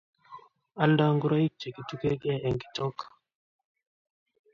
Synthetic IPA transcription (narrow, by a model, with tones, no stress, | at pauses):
a˦nda˦ŋɡu˦ɾa˦i˦k̚d͡ʒe˨ki˨tu˦kɛ˦kɛ˦˨ʔɛ˨ŋɡi̥˨tɔ˦k